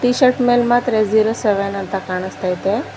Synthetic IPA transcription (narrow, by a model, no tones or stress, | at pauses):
t̪iɕəʈmelmat̪ɾed͡ziɾəseʋenənt̪akaɳ̃əst̪ajt̪e